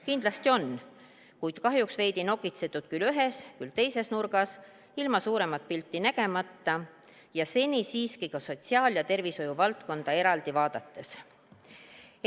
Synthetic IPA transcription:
kind̪̥lɑst̪io̞n | kujd̪̥kɑɦjuksve̞jd̪ino̞ɡit̪se̞t̪ːˑud̪̥̚kylyɦe̞skylt̪e̞jse̞snurɡ̥ɑs | ilmɑsuːɾe̞mɑt̪̚pilt̪ːˑinæɡe̞mɑt̪ːɑ | jɑse̞nʲisiːskikɑso̞t̪ʲsiɑːljɑt̪e̞rviso̞juvɑlt̪ko̞nd̪̥ɑe̞ɾɑld̪̥ivɑːd̪̥ɑt̪ːe̞s

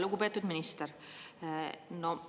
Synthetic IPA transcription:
luɡupe̞ːt̪ːˑud̪minist̪eɾ | no

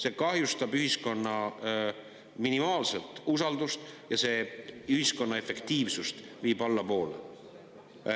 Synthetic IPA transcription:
se̞ːkɑhjust̪ɑbyhisko̞nːɑ | minimɑːlse̞lt̪ˑusɑld̪̥ust̪jɑse̞ːyhisko̞nːɑe̞fe̞kt̪iːvsust̪ | viːbɑlːɑpo̞ːlḛ

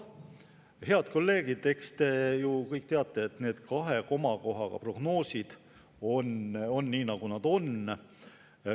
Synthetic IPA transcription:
he̞ɑd̪̥̚ko̞lːe̞ːɡ̥id̪̥e̞kst̪e̞jukɤjk̚ˑːt̪eɑt̪ːˑe̞et̪ne̞ːd̪̥kɑɦe̞ko̞mɑko̞ɦɑɡ̥ɑ̰pro̞ɡ̥no̞ːsid̪̥ | o̞no̞nːiːnɑɡ̥unɑd̪̥o̞n

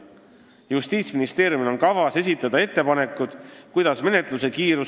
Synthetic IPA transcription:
just̪iːt̪sminist̪e̞ːɾjumilo̞nkɑvɑse̞s̬ʲit̪ːˑɑd̪̥ɑe̞t̪ːe̞pɑne̞kːˑud̪̥kujd̪̥ɑsme̞ne̞t̪ˑluse̞kiːɾu

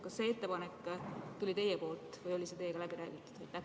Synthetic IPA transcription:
kɑsːe̞ːe̞t̪ːe̞pɑnekːt̪ulʲit̪e̞jepo̞ːlt̪ːˑvɯjo̞lʲise̞t̪ejeɡ̥ɑlæb̥iɾæ̰ːɡ̥it̪ːˑu̥d̪̥ɑjt̪ːæ

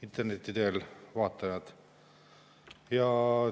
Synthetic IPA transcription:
int̪ːˑernet̪ʲːid̪eːlvɑːt̪ːˑɑjɑd̪̥ | jɑ

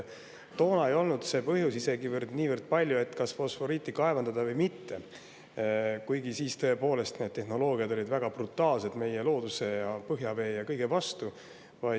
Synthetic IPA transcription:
t̪o̞ːnɑe̞jo̞lnud̪̥se̞pɤɦjusise̞ɡivərd̪̥niːvərd̪̥̚pɑlʲjue̞t̪ːˑkɑsfo̞sfo̞ɾiːt̪ːikɑe̞vɑnd̪̥ɑd̪ɑvɤjmit̪ːe̞ | kujɡ̥isiːst̪ø̞epo̞ːle̞st̪ne̞d̥̪̚t̪e̞hno̞lo̞ːɡ̥iɑd̪o̞lid̪væɡ̥ɑb̥rut̪ːˑɑːlse̞d̪̥me̞jelo̞ːd̪̥use̞jɑpɤɦjɑve̞ːjɑkɤjɡ̥e̞vɑst̪u | vɑj

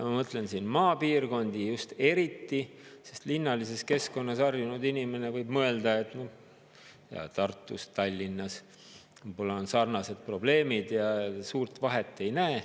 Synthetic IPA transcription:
mɑmɤt̪le̞nsiːnmɑːpiːrko̞nʲd̪̥ijust̪e̞ɾit̪ːise̞st̪linːɑlise̞ske̞sko̞nːɑsɑrjunud̪inʲime̞ne̞vɤjb̥mɤe̞ld̪̥ɑe̞t̪no | jɑ̰t̪ɑrt̪ˑːust̪ɑlʲːinːɑs | ujbolːɑonsɑrnɑse̞d̪̥̚pro̞ble̞ːmid̪̥jɑsuːrt̪vɑɦe̞t̪ːˑe̞jnæː

